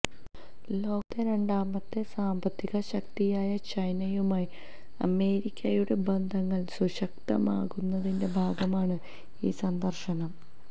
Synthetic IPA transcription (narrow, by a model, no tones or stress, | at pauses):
lo̞ːkːɐɾe̞ɳɖaːmɐt̪ːe̞saːmbɐt̪ːiɣɐɕɐk̚t̪ijaːjɐt͡ɕɐjnɐjumaːji | ɐ̰me̞ːɾikʲːɐjuɽe̞bend̪ʱɐŋːɐɭsuɕɐk̚t̪ɐ̰ma̰ːɣunːɐðinde̞bʱaːɡɐmaːɳɨ | ḭːsɐnd̪ɐrʂɐnɐm